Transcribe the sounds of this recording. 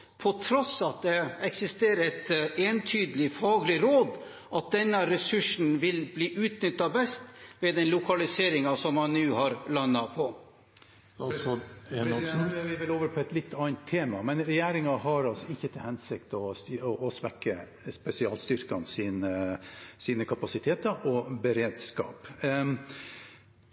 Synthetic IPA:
pʰɔt̪ʰɾɔsɑt̪̚d̪ɛɛksɪst̪eːɾəɾɛt̪eːnt̪ʰyːd̪əlɪfɑːɡlɪɾoːd̪ | ʔɑt̪̚d̪ɛnːəɾɛsʉʂn̩ʋɪlbliːʔʉːt̪nʏt̪ːɑbɛst̪ʋeːd̪ɛnlʊkʰɑlɪseːɾɪŋɑsɔmhɑnnʉːhɑɾlɑnːɑpʰɔ | ɾʋɪʋɪloːʋəɾpʰɔɛt̪lɪt̪ːɑnt̪ʰːeːmɑmɛnɾɛjeːɾɪŋɑɦɑɾɑlsɔɪçːət̪ʰɪlhɛnsɪkt̪ɔsɔʔɔsʋɛkːə | spɛsɪɑ̰ːlst̪ʏɾkɑnsiːnəsiːnəkʰɑpɑsɪt̪ʰeːt̪əɔbəɾeːd̪skɑ̰ːp

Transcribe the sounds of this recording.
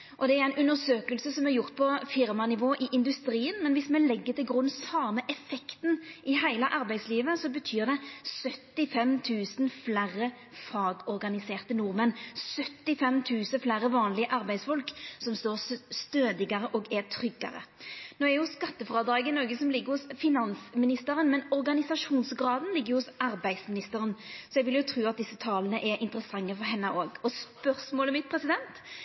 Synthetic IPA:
ʔɔd̪ɛæɾæɪnʉnːəsøːkəlsəsɔmæɾjʊʁt̪̚pʰɔfɪɾmɑnɪʋoːʔɪʔɪnd̪ʉst̪ɾiːənmɛnʋɪsmɛlɛɡːət̪ʰɪlɡʁʉnsɑːməʔɛfɛkt̪nɪhæɪlɑʔɑɾbæɪsliːʋəsɔbət̪ʰyːʁd̪ɛsœt̪ːɪfɛmt̪ʰʉːsnflæɾə | fɑːɡɔɾɡɑnɪseːʁt̪ənʊɾmɛnsœt̪ːɪfɛmt̪ʰʉːsəflæɾəʋɑːnlɪəʔɑɾbæɪd̪sfɔlksɔmst̪oːʁst̪øːd̪ɪɡɑɾəʔɔːɡɛt̪ʰɾʏɡːɑ̰ɾə̰noːɛɾjʊskɑt̪ːəfʁɑːd̪ɑːɡənoːɡəsɔmlɪɡːəɾhʊsfɪnɑnsmɪnɪst̪əɾənmɛnɔɾɡɑnɪsɑʂuːnsɡɾɑːd̪n̩lɪɡːəʁjʊhʊsɑɾbæɪsmɪnɪst̪əɾənsɔjɛɡʋɪljʊt̪ʰɾuːɑt̪̚d̪ɪsːət̪ʰɑːlənəʔɛɾʔɪnt̪əɾəsɑŋːəfɔɾɦɛnːəʔoːɡɔspœʁsmoːlɛmɪt̪̚pʰɾɛsɪd̪ɛnt̪

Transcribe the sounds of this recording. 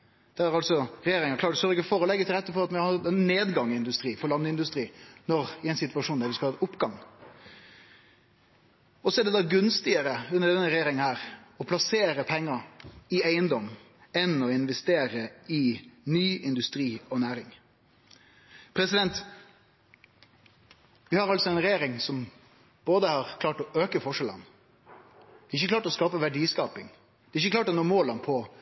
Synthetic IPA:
d̪̥æɾæɾɑlsɔɾɛjeːɾɪŋəkʰlɑːʈsœɾɪɡəfɔɾɔlɛɡːət̪ʰɪlʁɛt̪ːəfɔɾɑt̪mɛhɑd̪ɛnneːd̪ɡɑŋɪɪnd̪ʉst̪ɾiːfɔɾlɑnd̪əɪnd̪ʉst̪ɾiːnɔɾɪɛɪnsɪt̪ʋɑʂuːnd̪æɾʋɪskɑɑt̪ʊpːɡɑŋ | ɔsɔæɖɛd̪ɑːɡʉnst̪ɪəɾəʉnːəɾɖ̪ɛnːəɾɛjeːɾɪŋənhæːɾɔpʰlɑseːɾəpʰɛŋːəɪæɪənd̪ɔm | ɛnɔɪnʋɛst̪eːɾəɪnyːɪnd̪ʉst̪ɾiːɔnæːɾɪŋ | pʰɾɛsɪd̪ɛnt̪ | ʋɪhɑɾɑltsɔɛɪnɾɛjeːɾɪŋsɔm | b̥oːd̪əhɑɾkʰlɑːʈɔʔøːkəfɔʂɛlə̰n | d̪̥ɛːɪçːəklɑːʈɔskɑːpəʋæɖiːskɑːpɪŋ | d̪ɛːɾɪçːəklɑːʈɔnoːmoːlənpʰɔ

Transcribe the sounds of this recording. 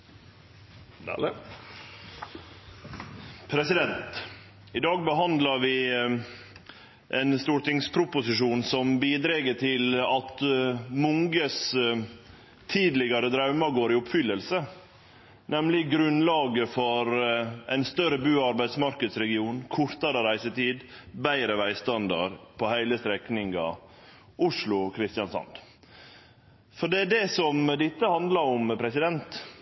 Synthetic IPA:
pʰɾɛsɪd̪ɛnt̪ | ɪd̪ɑːɡ̚bəɦɑnd̪lɑɾʋɪ | ʔɛnst̪uːʈɪŋspʰɾʊpʊsɪʂuːnsɔmbiːd̪ɾɛːɡəʈʰɪlɑt̪mʊŋɡəs | t̪ʰiːd̪lɪɡɑɾəd̪ɾɑʉmɑɡoːɾɪʊpfʏlːəlsə | nɛmlɪɡɾʉnlɑːɡəfɔɾæɪnst̪œɾəbʉːɑɾbæɪd̪smɑɾkəd̪sɾɛɡɪuːnkʰʊɾt̪ɑɾəɾæɪsət̪iːd̪bæɪɾəʋæɪst̪ɑnd̪ɑ̰ɾpʰɔhæɪləst̪ɾɛknɪŋɡɑ̰ | ʊʂlʊkʰɾɪst̪jɑnsɑ̰nd̪ | fɔɖɛæɖɛsɔmd̪ɪt̪ːəhɑnd̪lɑɾɔmpʰɾɛsɪd̪ɛnt̪

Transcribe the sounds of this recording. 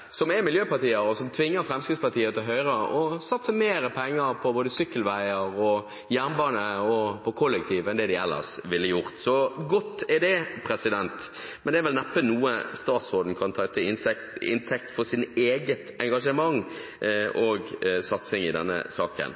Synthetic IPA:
sɔmɛmɪljøːpɑɾt̪iːəɾɔsɔmt̪ʰʋɪŋːəɾfɾɛmskɪspɑʁt̪ʰiːət̪ʰɪlɦœʏɾəɔsɑt̪səmeːɾəpʰɛŋːəɾpʰɔboːd̪əsʏkːəlʋæɪəɾɔ | jæːʁnbɑːnəɔpʰɔkʰʊlːək̚t̪ʰiːʋɛnd̪ɛd̪ɪɛlːə̰ʁsʋɪlːəjʊɾt̪sɔɡɔt̪ːɛd̪ɛpʰɾɛsɪd̪ɛnt̪ | mɛnd̪ɛɾʋɛlnɛpːənuːəst̪ɑːt̪sʁoːd̪n̩kʰɑnt̪ʰɑt̪ʰːəɪn | ɪ̰nt̪ʰɛk̚t̪fɔɾsɪneːɡət̪ɛŋɡɑʂəmɑŋː | ɔɡsɑt̪sɪŋɪd̪ɛ̰nːə̰sɑːkə̰n

